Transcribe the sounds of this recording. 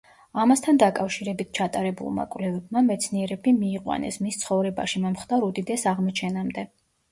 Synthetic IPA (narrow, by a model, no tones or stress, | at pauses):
amast̪ʰand̪akʼafʃiɾɛbit̪̚ʰt͡ʃʰat̪ʼaɾɛbṵlˠma̰kʼvlɛvɛbmamɛt̪sʰniɛɾɛbimiːqʼwa̰nɛ̰smist̪sʰχɔvɾɛba̰ʃimɔmχd̪aɾud̪id̪ɛsaʁmɔt͡ʃʰɛnamd̪ɛ